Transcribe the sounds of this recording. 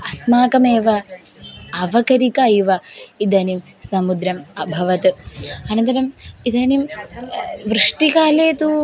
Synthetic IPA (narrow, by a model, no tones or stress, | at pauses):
ɐsmaːkɐmeːʋɐ | ɐʋɐkɐɾikɐjʋɐid̪ɐnim | sɐmud̪ɾɐmɐbʱɐʋɐt̪ɨɐnɐnt̪ɐɾɐmid̪ɐnim | ʋɾɨʂʈikaːleːt̪u